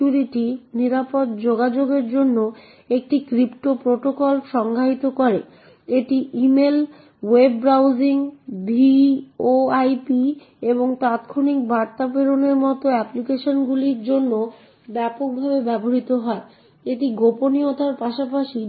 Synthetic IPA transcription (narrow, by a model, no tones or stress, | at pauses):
uɾiʈiniɾapot̪d͡ʑoɡad͡ʑoɡeɾd͡ʑonːo | ek̚ʈikɾipʈopɾoʈokɔlʃɔŋɡʱaɦit̪okoɾe | eʈiʔimel | webɾawd͡ʑiŋbʱioajpi | eboŋt̪at̪kʰonik̚baɾt̪apeɾoneɾmɔt̪oɛplikeʃonɡuliɾd͡ʑonːo | bɛpok̚bʱabebɛboɦit̪oɦɔe | eʈiɡoponiot̪aɾpaʃapaʃi